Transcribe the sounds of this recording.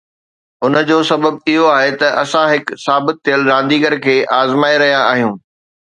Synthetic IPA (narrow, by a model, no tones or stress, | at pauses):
ʊnə̆d͡ʑoːsɐbəbɪɦoaːɦet̪ɐʔɐsãɦɪksaːbɪt̪ʰːijəlɾãːnd̪iːɡəɾkʰeːʔaːzmaːiɾɐɦijaaːɦijũː